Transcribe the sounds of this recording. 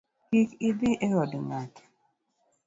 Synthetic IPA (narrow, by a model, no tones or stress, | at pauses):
kikɪdɪʔɛɔdŋat